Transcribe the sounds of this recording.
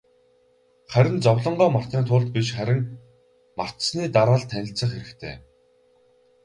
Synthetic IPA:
χæɾʲɪ̆nt͡sɔwɮɞ̆ɴɢœːmar̥t̪iːnt̪ʰʊːɮt̪̚piʃχæɾʲɪ̆ŋ | mar̥t̪sniːt̪aɾaːɮt̪ʰːænʲɪ̆ɬt͡sə̆χxeɾɘ̆kt̪ʰḛː

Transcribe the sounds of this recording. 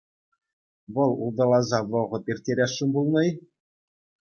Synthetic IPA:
ʋɤ̆lˠulˠd̪ɑlˠɑzɑʋɤ̆ʁɤ̆pʲirʲtʲːeɾʲæʂːɘ̆mbulˠnɤ̆j

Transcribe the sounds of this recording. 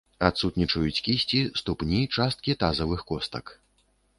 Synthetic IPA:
at̪sut̪nʲit͡ʂɐjut͡sʲkʲisʲt͡sʲist̪upnʲit͡ʂast̪̚kʲit̪azɐvɨxkɔst̪ɐk

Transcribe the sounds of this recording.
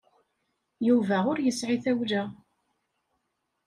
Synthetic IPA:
juvæʁʊɾjəsʕiθæwʒæ

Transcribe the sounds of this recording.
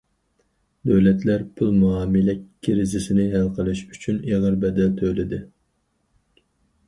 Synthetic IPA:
d̪øwlɛt̪læɾpʰylˠmuɑːmɪlɛkʲʰːɪɾɪzɪsɪnɪɦælqʰəlˠɨʃyt͡ʃʰyneʁəɾbɛd̪ɛlt̪ʰølɪd̪ɪ

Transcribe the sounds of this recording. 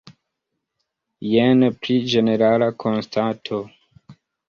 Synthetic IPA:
jenpɾid͡ʒe̞ne̞ɾalakʰonstʰatʰo

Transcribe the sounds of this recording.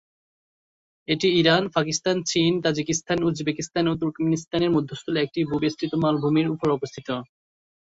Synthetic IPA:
eʈiiɾanpakist̪ant͡ɕint̪ad͡ʑikist̪ʰanud͡ʑbekist̪anot̪̬uɾkmenist̪aneɾmud̪ʱːost̪ʰuleek̚ʈibʱubest̪ɾit̪omalbʱomeɾupoɾɔbost̪ʰit̪o

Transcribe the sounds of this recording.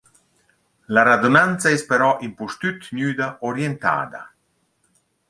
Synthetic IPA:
laɾad̪unant̪saɛspɛɾɔʔimpust̪yt̪njyːd̪aoɾjent̪a̰ːd̪a̰

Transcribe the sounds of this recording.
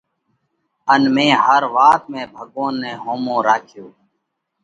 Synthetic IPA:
ənmẽːɦəɾʋaːt̪mẽːbʱəɠoːnːẽːɦoːmõːɾaːkʰjoː

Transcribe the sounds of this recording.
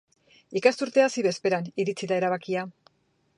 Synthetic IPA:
ikast̪uɾt̪e̞asiβe̞spe̞ɾaniɾit͡siðae̞ɾaβ̞akia

